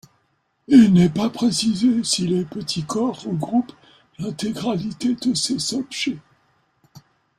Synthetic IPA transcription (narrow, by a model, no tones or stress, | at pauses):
ilnɛpapχesizesilepət̪ʰikɔʁəɡʁup | lɛ̃t̪eɡʁalit̪ed̪əsesɔpʃe